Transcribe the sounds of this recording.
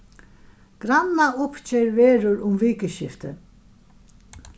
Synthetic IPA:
ɡ̥ɾanːaʊpt͡ɕeɾʋeːɾʊɾʊmʋiːkəʃɪft̪ə

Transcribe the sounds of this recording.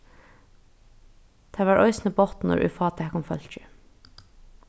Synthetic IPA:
d̪̥ʰæːʋɑːʔœʏsnəbɔt̪nɔ̰ɾʔʉ̰ːfɑːt̪ʰækʊmfœ̰lt͡ʃə

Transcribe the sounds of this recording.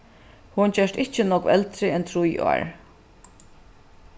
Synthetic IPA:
hʊnt͡ɕœʂt̪ɪht͡ʃɪnɔkvɛlt̪ɾɪɛnt̪ʰɾʊjɔ̰ːɹ

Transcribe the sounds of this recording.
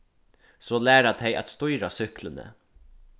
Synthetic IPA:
sɔːlæːɾat̪ʰeja̰t̪st̪ʊjɾasʏhklənə̰

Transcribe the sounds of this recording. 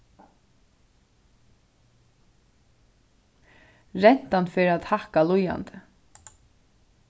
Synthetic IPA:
ɾɛn̥t̪anfɪɾat̪hahkaluja̰nt̪ɪ

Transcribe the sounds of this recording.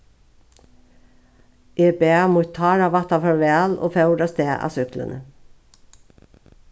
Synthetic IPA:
ʔeːbeːɑmʊt̪ʰɑːɾɑːʋɑt̪ɑfœɹeːɑːlʔo̰ːfɑʉɖɑst̪eːʔɑ̰ːsʏklə̰nə

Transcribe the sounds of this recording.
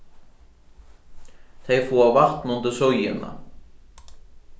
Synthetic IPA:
θejfuːawvaht̪nunt̪ʏɾ̥sowjɪnːa̰

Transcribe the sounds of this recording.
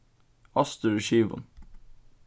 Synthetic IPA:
ɑst̪əɹʃiːʋʊ̰n

